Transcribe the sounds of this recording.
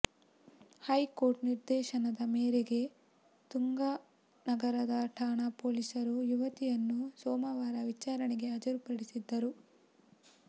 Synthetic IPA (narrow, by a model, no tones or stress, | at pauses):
hɐjkoːɾʈniɾd̪ɛːʃɐnɐd̪ɐmeːɾeɡe̞ | t̪uŋɡa | nɐɡɐɾɐd̪ɐʈʰaːɳɐpoːlisɐɾujuʋɐt̪ijɐnːusɔːmɐʋaːɾɐʋit͡ʃaːɾɐɳiɡe̞ɐd͡ʒɐɾupɐɽisid̪ːɐɾu